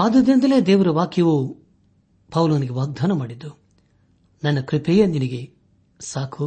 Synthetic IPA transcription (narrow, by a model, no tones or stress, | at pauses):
aːd̪ɐd̪ɾind̪ɐle̞ːd̪eːʋɐɾɐʋaːkjɐʋu | pɐwlɐʋɐniɡeʋaːɡ̚d̪ʱaːnɐmaːɽid̪ːu | nɐnːɐkɾipɛjɐninɐɡe̞ | saːkʰu